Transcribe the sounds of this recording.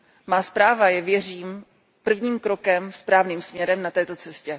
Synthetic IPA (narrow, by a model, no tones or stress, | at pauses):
maːspɾaːvajɛvjɛr̝iːm | pr̩vɲiːmkɾokɛmspɾaːvniːmsmɲɛɾɛmnat̪ɛːt̪o̞t͡sɛscɛ